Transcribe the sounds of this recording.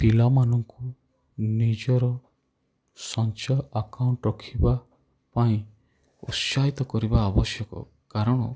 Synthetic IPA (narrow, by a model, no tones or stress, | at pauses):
pilamanɔŋku | nid͡ʒɔɾɔ | sɔnt͡ʃaakawɳʈɾɔkʰiba | paĩ | ṵʃait̪ɔkɔɾibaːbɔsjɔkɔ̰ | kaɾɔɽ̃ɔ